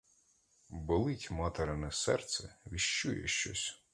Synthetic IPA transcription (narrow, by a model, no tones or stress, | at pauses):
bɪlˠɪtʲmɑt̪eɾɪnɛsɛrt̪sɛʋʲiʃt͡ʃujɛ̰ʃt͡ʃɔ̰sʲ